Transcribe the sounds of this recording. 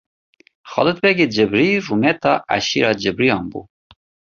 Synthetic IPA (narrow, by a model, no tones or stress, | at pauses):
xɑ̰ːlˠɨt̪̚bɛɡed͡ʒɨbɾirumɛt̪ɑːʔæ̰ʃiɾɑːd͡ʒɨbɾijɑːnbṵː